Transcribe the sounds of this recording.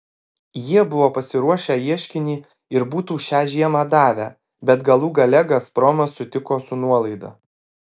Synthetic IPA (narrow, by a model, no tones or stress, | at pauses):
jiɛbʊʋoːpɐsʲɪɾuɔʃʲæːjiɛʃʲkʲɪnʲiː | ɪɾbuːt̪uːʃʲæːʒʲiɛmɑːd̪ɑːʋʲæ̰ː | bʲɛt̪ɡɐlˠuːɡɐlʲɛɡɐspɾɔːmɐsːʊt̪ʲɪkoːsʊnuɔlˠɐɪd̪ɐ̰